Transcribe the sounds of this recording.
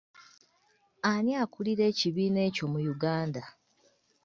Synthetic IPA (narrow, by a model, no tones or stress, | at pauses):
aniakuliɾe̞ːciβiːne̞ːco̞mujuɡaːnda